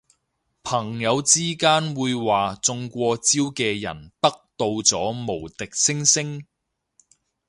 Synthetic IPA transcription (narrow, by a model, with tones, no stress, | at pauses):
pʰɐ˨˩ŋjɐ˨˧wt͡siː˥kaː˥nwuː˨˧jwaː˨˩t͡sʊ˧ŋkʷɔː˧t͡si˥wkɛː˧jɐ̰˨˩nt̪ɐ˥k̚t̪o˧wt͡sɔː˨˥mo˨˩wt̪ɪ˨k̚sɪ˥ŋsɪ˥ŋ